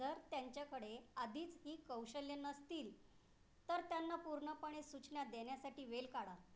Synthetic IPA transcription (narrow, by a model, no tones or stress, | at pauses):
d͡zəɾt̪jaɲt͡ɕjakəɽead̪ʱiːt͡sɦiːkəwɕəljənəst̪iːl | t̪əɾt̪janːapuɾɳəpəɳ̃esut͡ɕɳjad̪eɳjasaʈiːʋelkaɽa